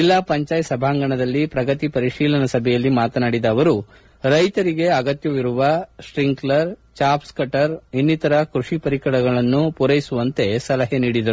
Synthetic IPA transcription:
d͡ʒilːapɐɲt͡ʃaːjsɐbʱaːŋɡɐɳɐd̪ɐlːipɾɐɡɐt̪ipɐɾiʂiːlɐnɐsɐbʱɛjɐlːimaːt̪ɐnaːɽid̪ɐːʋɐɾu | ɾɐjt̪ɐɾiɡe̞ɐɡɐt̪jɐʋiɾuʋɐʂɾiŋɡlɐɾt͡ʃaːpskɐʈɐɾinːit̪ɐɾɐkɾuʂipɐɾikɐɽɐɡɐɭɐnːupuɾɐjsuʋɐnt̪e̞sɐlɐɦeniːɽid̪ɐɾu

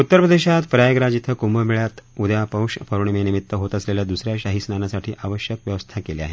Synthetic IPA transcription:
ut̪ːəɾpɾəd̪eɕat̪pɾajəɡɾad͡ʑit̪ʰəkumbəmiɭjat̪ud̪japə̃wʂpʰəɾuɳmenimit̪ːəɦot̪əsleljad̪usɾjaɕaɦisnanasaʈʰiːʔaʋəɕjəkʋjəʋəst̪ʰakelea̰ɦe

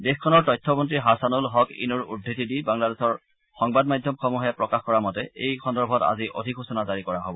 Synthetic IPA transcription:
dexkʰɔnɔɹtɔjtʰːɔmɔntɹiɦasanulɦɔkḭnuɹṵdʱːitidibaŋladesɔɹ | xɔŋbadmajdʱjɔmkʰɔmɔɦjapɹɔkaxkɔɹamɔtɛḛjxʰɔndɔɹbʱɔta̰ziʔo̰dʱikɦosɔnazaɹikɔɹaɦobɔ

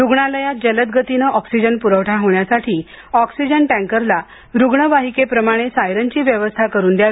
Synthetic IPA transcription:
ɾuɡɳaləjad͡ʑələt̪̚ɡət̪inəʔɔksid͡ʑənpuɾəʋʈʰaɦoɳjasaʈʰiː | ɔksid͡ʑəɳʈæ̃ŋkəɾla | ɾuɡɳəʋaɦikepɾəmaɽ̃esajɾənt͡ɕiːʋjəʋəst̪ʰakəɾuːnd̪ja

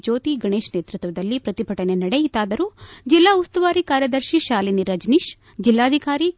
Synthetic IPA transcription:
d͡ʒoːt̪iɡɐɳeːʃneːt̪ɾut̪ʋɐd̪ɐlːipɾɐt̪ipʰɐʈɐnenɐɽejit̪aːd̪ɐɾud͡ʒilːaːust̪uʋaːɾikaːɾjɐd̪ɐɾʃiʃaːliniɾɐd͡ʒniʃ | d͡ʒilːaːd̪ʱikaːɾi

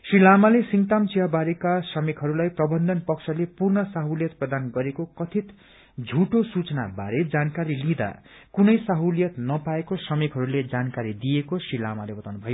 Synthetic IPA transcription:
srilamalesiŋt̪amt͡sijabaɾikasʌmekɦʌɾulajprʌbʌnd̪ʌnpʌksʰʌlepurnʌsaɦuljʌt̪prʌd̪anɡʌɾekokʌt̪ʰit̪ | d͡zʱuʈosut͡sʌna̰ba̰ɾed͡zankaɾilid̪a̰ | kunʌjsaɦuljʌt̪nʌpaekosʌmekɦʌɾuled͡zankaɾid̪ijekosrila̰malebʌt̪awnubʱʌjo

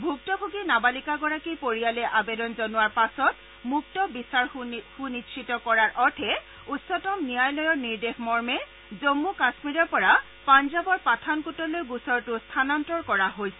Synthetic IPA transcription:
bʱuk̚tɔkʰukinabalikaɡɔɹakipoɹijalɛʔabedɔnzɔnʊwaɹpasɔt | muk̚tɔbisaɹxunitʃʰitɔkɔɹaɹʔɔtʰɛ | utsɔtɔmnijajlɔjɔɹniɹdexmɔɹmɛ | zomːukasmiɹɔɹpɔɹa | panzabɔɹpatʰankutɔlojɡusɔɹtʊstʰanantɹɔɹkɔɹaɦojsɛ

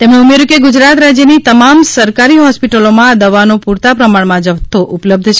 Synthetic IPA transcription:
t̪emneumeɾukeɡʊd͡ʒɾat̪ɾad͡ʒjənit̪əmamsəɾkaɾiɦɔspiʈəlomãd̪əʋanopuɾt̪apɾəmaɳmãd͡ʒəʋt̪ʰːoʔupləb̚d̪ʱʃʰe

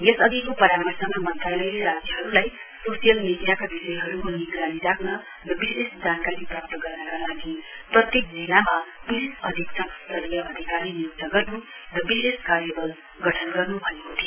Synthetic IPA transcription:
jesʌd̪ikopʌɾamʌrsamamʌnt̪ralʌjleɾad͡zjʌɦʌɾulajsosijʌlnid̪jakabisʌjɦʌɾumoniɡɾaniɾakʰnʌ | rʌbisesd͡zankaɾiprʌp̚t̪ʌɡʌrnʌkalaɡiprʌt̪jek̚d͡zilamapiɾisʌd̪ʱiksʌkst̪ʌrjʌʔʌd̪ʱikaɾinijuk̚t̪ʌɡʌrnurʌbiseskarjʌbʌl | ɡʌʈʰʌnɡʌrnubʱʌnekot̪ʰio

